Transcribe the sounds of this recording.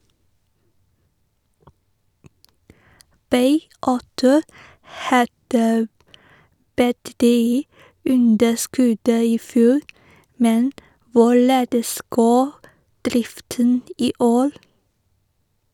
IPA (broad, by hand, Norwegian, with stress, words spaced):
ˈbɑɪ ˈɑʉtʊ ˈhɑdə bətəˈtyː ˈʉndəˌskʉd ə ɪˈfjuːɾ ˈmɛn ˈʋʊˌɭeːdəs ˈɡoː ˈdɾɪftən ˈiː ˈʔoːɾ